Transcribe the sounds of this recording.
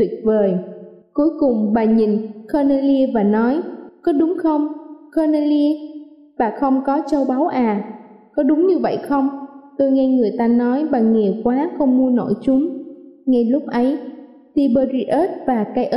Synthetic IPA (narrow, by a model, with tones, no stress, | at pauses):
t̪wi˨˩ək̚vəː˨˩jku˨˦jkʊ˨˩ŋ͡mɓaː˨˩ɲi˨˩ŋkəː˧ne˧li˧vaː˨˩nɔ˨˦jkɔ˨˦ɗʊ˨˦ŋ͡mxə˧wŋ͡mkəː˧ne˧li˧ | ɓaː˨˩xə˧wŋ͡mkɔ˨˦t͡ɕə˧wɓa˨˦wʔaː˨˩ | kɔ˨˦ɗʊ˨˦ŋ͡mɲɨ˧və̰˧˨jxə˧wŋ͡mt̪o˧jŋɛ˧ŋɨ˨˩əjt̪aː˧nɔ˨˦jɓaː˨˩ŋɛ˨˩kwaː˨˦xə˧wŋ͡mmu˧əno̰˧˩jt͡ɕʊ˨˦ŋ͡mŋa˧jlʊ˦˥k͡p̚ʔə˨˦j | t̪i˧ɓəː˧zi˧ʔəː˦˥t̚vaː˨˩kaː˨˦jʔə˦˥